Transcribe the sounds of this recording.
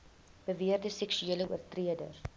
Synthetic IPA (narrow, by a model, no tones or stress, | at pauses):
b̥əviərdəsɛksyeːləṵərtriədə̰r